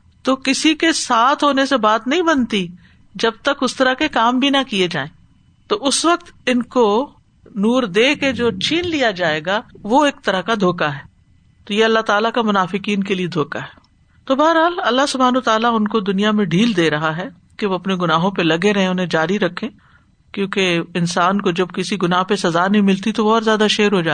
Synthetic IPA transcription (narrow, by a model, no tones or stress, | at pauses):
t̪oːkɪsikesaːt̪ʰɦoːnesebaːt̪nɐɦĩbɐnt̪i | d͡ʒɐb̚t̪ɐkʊst̪ɐɾakekaːmbʱinɐkied͡ʒaːẽː | t̪oːʔʊsʋɐk̚t̪ɪnko | nuːɾd̪eːked͡ʒoːt͡ʃʰiːnlijad͡ʒaːeːɡaʋoeːk̚t̪ɐɾəkad̪ʱoːkaɦɛː | t̪oːjeɐlːaɦt̪aːlakamʊnaːfɪkiːnkelied̪ʱoːkaɦɛ̥ː | t̪obaːəɾɦaːlɐlːaɦsʊbʱaːnət̪aːlaʊnkod̪ʊnijamẽɖʱiːld̪eːɾɐɦaɦɛ | keʋoɐpneɡʊnaːɦõpelɐɡeɾɐɦẽʊnɦẽd͡ʒaːɾiɾɐkʰːẽː | kjõːkeɪnsaːnkod͡ʒɐb̚kɪsiɡʊnaːɦpesɐzaːnɐɦĩmɪlt̪it̪oʋɔːɾzjaːd̪aʃeːɾɦod͡ʒaː